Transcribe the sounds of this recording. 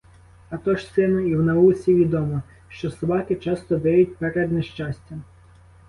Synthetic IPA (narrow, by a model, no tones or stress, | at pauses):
ɐt̪ɔʃsɪnʊiwnɐusʲiʋʲid̪ɔmɔ | ʃt͡ʃɔsɐbɑkɪt͡ʃɑst̪ɔd̪ɛjʊt̚ʲpɛɾɛd̪nɛʃt͡ʃɑsʲtʲɐ